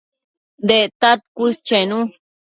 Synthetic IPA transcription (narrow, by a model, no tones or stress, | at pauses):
d̪eʔt̪at̪̚kʷust͡ʃenũ